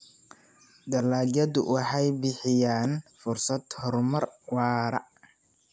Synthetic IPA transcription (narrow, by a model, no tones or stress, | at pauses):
d̪ɐlaːljɐd̪ʊwɑħɑjbɪħɪjaːnfʊrsɐd̪hɔrmɐrwɑːɾɐ̰